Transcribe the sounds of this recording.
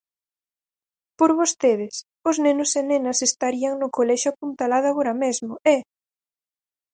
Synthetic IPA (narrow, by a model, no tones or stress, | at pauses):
poɾβost̪eð̞ɪs | ʊznenʊsenenɐsest̪aɾiaŋnʊkolɛʃʊapunt̪alað̞ʊaɣoɾɐmezmʊɛ